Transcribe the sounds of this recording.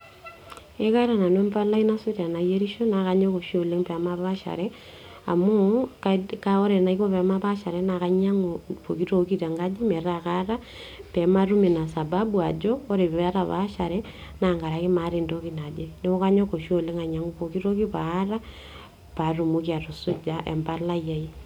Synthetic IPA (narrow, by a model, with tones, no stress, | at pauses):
e˦ka˦ɾa˨na˨ne˦mpa˦la˦ina˦so˦ɾa˨na˨je˦ɾi˦ʃo˦na˨ka˦ɲo˦ko˨ʃole˦ŋpɛ˨ma˦βa˦ʃa̰ɾɛ | a̰˨mo˦kkao˦ɾɛ˨na˨iko˦pɛ˨ma˦pa˦ʃa˨ɾɛ˦naka˦ɲa˦ŋopo˨ki˦to˦ki˦ta˨ŋɡa˦d͡ʒe˦mɛ˨ɾakara˦ | pɛ˨ma˦ru˦me˨na˨sa˨babu˦a̰˨d͡ʒɔː˦ɾe˨pɛ˦ɾa˨βa̰ʃaɾɛ | na˨ŋɡa˨ɾa˨ki˦ma˨ɾe˨ndo˦ki˦na˨d͡ʒe˦ne˦o˦ka˦ɲɔ˦ko˨ʃo˦le˦ŋa˨ɲa˦ŋu˦po˨ki˦ɾo˦ki˦paːra˦ | pa˨ru˨mukia˨to˨su˦d͡ʒaʔɛ̰˨mba˦la˦ja˨i˦